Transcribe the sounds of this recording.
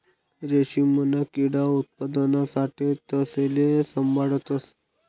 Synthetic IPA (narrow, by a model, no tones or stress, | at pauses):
ɾeɕimənakiɽaut̪̚pad̪ənasaʈiːt̪əselesəmbʱaɽət̪əs